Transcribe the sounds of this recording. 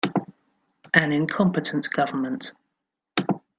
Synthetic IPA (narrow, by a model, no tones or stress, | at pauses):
ʔə̃nɪ̃nkʰɒ̃mpɪtʰə̃nʔɡ̥ʌvənmə̃nt